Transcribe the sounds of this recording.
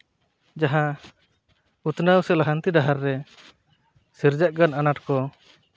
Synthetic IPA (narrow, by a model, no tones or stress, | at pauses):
d͡ʒaɦã | ut̪nawsɛlaɦant̪iɖaɦaɾːɛ | siɾd͡ʒaʔɡananaʈkɔ